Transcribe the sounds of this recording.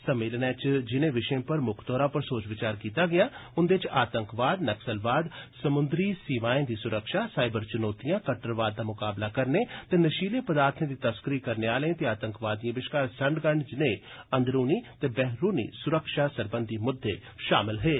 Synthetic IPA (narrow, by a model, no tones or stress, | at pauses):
səmːeːlnɛːt͡ʃd͡ʒɪnẽːʋɪʃẽːpəɾmʊkʰd̪ɔːɾãːpəɾsoːt͡ʃʋɪt͡ʃaːɾkiːt̪aːɡɪjaːʊnd̪eɪt͡ʃaːt̪əŋkʋaːd̪nəksəlʋaːd̪səmʊnd̪ɾiːsiːʋaːẽːd̪iːsʊɾəkʃaːsaːɪbəɾt͡ʃʊnoːt̪ijãːkəʈːəɾʋaːd̪̚ːaːmʊkaːblaːkəɾneːt̪eːnəʃiːlẽːpəd̪aːɾt̪ʰẽːd̪iːt̪əskəɾiːkəɾneːaːlẽːt̪eːaːt̪ə̃ŋkʋaːd̪ːĩãːʋɪʃkaːɾsəɳɖɡəɳd͡ʒɪnẽː | ənd̪ɾuːniːt̪eːbɛːɦɾuːnḭːsʊɾəkʃaːsəɾbənd̪iːmʊd̪ʱːeː | ʃa̰ːmɪlɦeː